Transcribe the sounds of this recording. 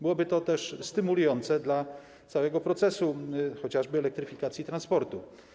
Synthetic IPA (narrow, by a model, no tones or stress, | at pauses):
bɘwɔbɘt̪ɔt̪ɛʂst̪ɘmulujɔnt̪sɛd̪la | t̪sawɛɡɔpɾɔt̪sɛsuxɔt͡ɕaʐbɘɛlɛk̚t̪ɾɘfʲikat̪sʲjit̪ɾanspɔɾt̪u